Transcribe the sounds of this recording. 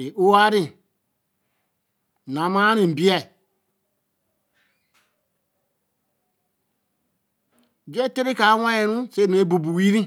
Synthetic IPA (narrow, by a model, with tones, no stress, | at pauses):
i˨o˦a˦ɾĩ˦˨ | nã˨mã˦nĩ˨bi˦ɛ˨ | d͡ʒe˦te˦ɾi˦kaː˨˦wã˦ɛ̃˧nũ˦se˧˨˦nẽ˨˦bu˨bu˨wi˦ɾĩ˦